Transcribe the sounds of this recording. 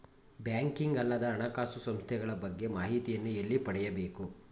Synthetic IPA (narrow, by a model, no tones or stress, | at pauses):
bjaːŋkiŋɡɐlːɐd̪ɐːɳɐkaːsusɐmst̪ʰɛɡɐɭɐbɐɡːe̞maːɦit̪ijɐnːuelːipɐɽɛjɐbe̞ːku